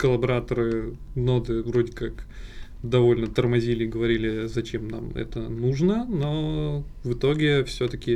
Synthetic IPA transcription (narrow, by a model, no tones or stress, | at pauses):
kəlˠɐbɐɾat̪əɾɨ | no̞d̪ɨvɾo̞dʲɪkak | d̪ɐvo̞lʲnət̪ərmɐzʲilʲɪːɡəvɐɾʲilʲɪzɐt͡ɕe̞mna̰mɛ̰t̪ənuʐnəno̞ | vɨt̪o̞ɡʲɪfsʲɵt̪əkʲɪ